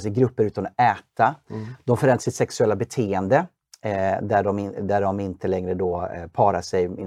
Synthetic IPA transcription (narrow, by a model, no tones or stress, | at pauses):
sɛjɡɾɵpːəɾʉ̟ːt̪anɔɛːt̪ad̪̥ɔmfœɾɛnd̪asɪt̪sɛksɵɛlːabɛt̪ʰeːɛnd̪ə | d̪æɖɔmɪd̪æɖɔmɪnt̪əlɛŋɾəd̪ɔpʰɑːɾaʂɛjɪn